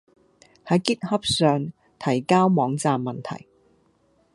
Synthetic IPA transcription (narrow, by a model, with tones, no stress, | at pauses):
hɐ˨˥jkɪ˥k̚hɐ˥p̚sœː˨˧ŋ | t̪ʰɐ˨˩jkaː˥wmɔː˨˥ŋt͡saː˨mːɐ˨˩nt̪ʰɐ̰˨˩j